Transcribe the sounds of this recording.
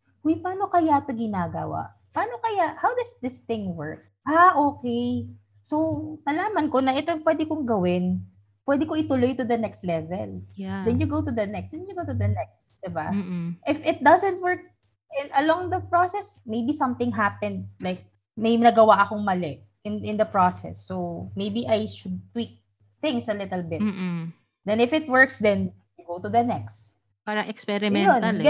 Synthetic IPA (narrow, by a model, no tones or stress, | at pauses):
ʔojpaːno̞kɐjat̪oɡɪnaːɡɐ̰wa̰ʔ | paːnokɐjaʔhawd̪ɐsd̪ɪsθɪ̃ŋwɛɹk̚ | ʔaʔokɛj | sownɐlaːmɐnkonɐʔɛt̪opwɛd̪ɪkʊŋɡɐwɪn | pwɛd̪ɪkoɪt̪ʊlojt̪ʊd̪ɐnɛkst̪lɛvɛ̰ld̪ɛnjʊɡowt̪ʊd̪ɐnɛksd̪ɛnjʊɡowt̪ʊd̪ɐnɛkst̪d̪̥ɪba̰ʔɪfɪt̪̚d̪ɐzɛnt̪̚wɛɹk̚ | ʔɪ̃nɐlɔ̃ŋd̪ɐpɹosɛsmejbisɐ̃mt̪ɪ̃ŋɦapɛ̃nd̪̚lajk̚ | mɐjnɐɡɐwaʔɐkoŋmɐlɛʔ | ɪnʔɪ̃nd̪ɐpɹosɛ̰sːowmejbiʔajʃʊd̪̚t̪wik̚ | θɪ̃ŋsɐlɪt̪ɛlbɪtmː | d̪ɛ̃nɪfɪt̪̚wɜɹksd̪ɛ̃n | juɡowt̪ʊd̪ɐnɛkst̪ | paːɾɐʔɛkspɛɾɪmɛonɐlɡ